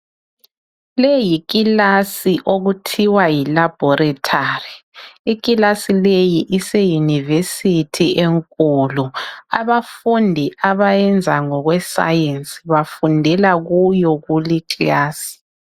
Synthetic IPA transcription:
lejiɣ̬ʼilasiʔoɣutʰiwajilab̥ʱɔɾatʰariiɣʼilasilejiʔisejunivesitʰieŋkʼuluaβafundʱiʔaβajɛnd͡zʱaŋɔɣwɛsa̰jensʼiβafundʱɛlaɣujɔɣuliǁʼilaːsi̥

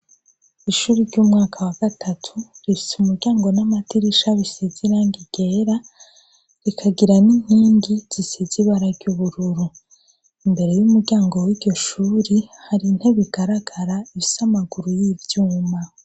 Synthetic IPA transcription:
iʃuːɾiɾɟuːmŋaːkʰawaɡatʰatʰuɾifi̥sumuɾɟaːŋɡo̞namatiɾiʃaβiseziɾaːŋɡiɡ̥e̞ːɾa | ɾikʰaɡiɾaniɲ̥iːŋɡiz̥iseziβaɾaɾɟuβuɾuɾu | imbe̞ɾe̞jumuɾɟaːŋɡo̞wiːɾɟo̞ʃuːɾihaɾin̥he̞βiɡaɾaɡ̥aɾaiβisamaɡuɾujivjuːma

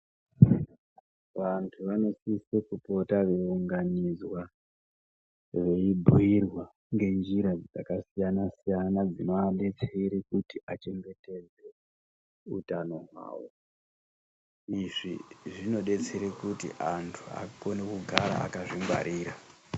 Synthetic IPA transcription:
ʋantʰuʋano̞sisekupo̞taʋe̞uŋɡanizwa | ʋe̞ibʱuirwa | ŋɡe̞nd͡ʒiɾad͡zid͡zakasijanasijanad͡zinoaɗe̞t͡seiɾekutiʔat͡ʃe̞ŋɡe̞te̞d͡ze̞ | ṵtano̞ɦwa̰ːwo̰ | iʐiʐino̞ɗe̞t͡seɾekutḭʔantʰua̰ko̞nekuɡʱaɾa̰a̰kaʐiŋɡwa̰ɾʔiːɾa

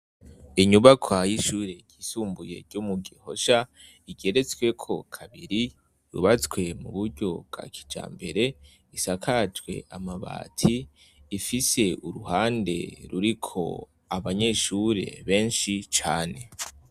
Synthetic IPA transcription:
iɲuβakʰwajiʃuːɾe̞ɟ̥iːsuːmbuje̞̰ɾɟumuɡiho̞ʃa | iɡ̥e̞ɾe̞t͡swe̞kʰo̞kʰaβiɾi | ɾṵβat͡swe̞mṵβuɾɟo̞bɡ̥a̰ːkʰi̥d͡ʒa̰ːmbe̞ɾe̞ | isakʰad͡ʒɡwe̞̰ʔamaβa̰ːtʰiː | fise̞uɾuhaːnde̞̰ɾuɾikʰo̞̰ | aβaɲeʃuɾe̞̰βe̞ːnʃit͡ʃaːne̞

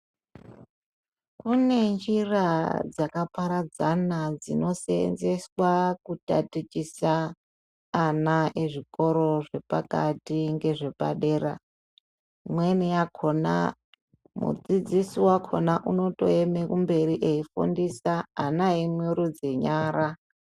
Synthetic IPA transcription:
kune̞nd͡ʒirad͡zakapaɾad͡zanad͡zino̞seḛnze̞swakuta̰tit͡ʃisaː | naʔeʐiko̞ɾo̞ʐe̞pakatiŋɡe̞ʐe̞pa̰ɗe̞ːra | mwenijakʰona̰ | mṵd͡zid͡zisiwakʰo̰naʔuno̞to̞̰emekumbe̞ɾiʔeifṵndisaːnaemwiɾud͡zeɲaːɾa

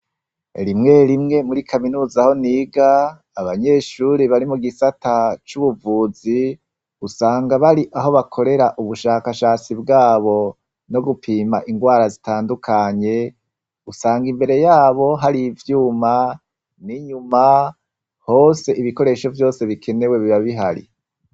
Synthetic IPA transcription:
ɾimŋe̞ɾimŋe̞muɾikʰaminuːzaho̞niːɡaː | βaɲe̞ʃuɾiβaɾimuɡisatat͡ʃuβuvuːzi | usaːŋɡaβaɾiʔaɦo̞βakʰo̞ɾe̞ɾaʔuβuʃaːkaʃaːt͡sibɡaːβo̞ | no̞ɡupʰiːmaʔiŋɡwaːɾazitaːndukʰaɲe̞ | usaːŋɡimbe̞ɾe̞jaːβo̞ɦaɾivjuːma | niɲuma | ho̞ːse̞ʔiβiko̞ɾe̞ʃo̞vjo̞ːse̞βikʰe̞ne̞we̞βiβaβiɦaɾḭ

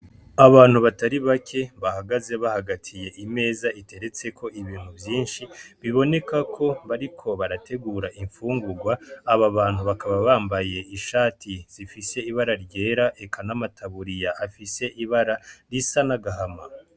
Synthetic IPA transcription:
aβaːn̥huβataɾiβakʰe̞βahaɡaze̞βahaɡatʰije̞ʔime̞ːzaite̞ɾe̞t͡se̞kʰo̞ʔiβiːn̥huvjiːnʃiβiβo̞ne̞kakʰo̞βaɾikʰo̞βaɾatʰe̞ɡuːɾaʔiɱfuːŋɡuɡwaːβaβaːn̥huβakaβaβaːmbaje̞iʃaːtʰiz̥ifise̞iβaɾaɾɟe̞ːɾaʔe̞kʰanamatʰaβuɾijaʔafise̞ʔiβaɾaɾisanaɡaɦama

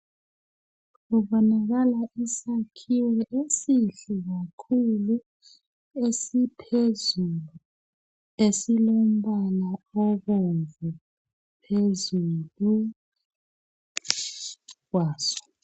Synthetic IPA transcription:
kuɓɔnaɣ̬alaʔisakʰiwɛʔesiɬiɣ̬akʰulu | esipʰezulu | esilom̩ɓalaɔɣɛɱvʱɛ | pʰezulu | k̬waːsɔ̥

